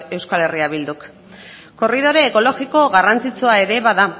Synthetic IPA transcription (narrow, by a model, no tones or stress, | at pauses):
e̞wskale̞riaβild̪uk | ko̞riðo̞ɾe̞ːko̞lo̞ɣiko̞ɣarant͡sit͡suae̞ɾe̞βaða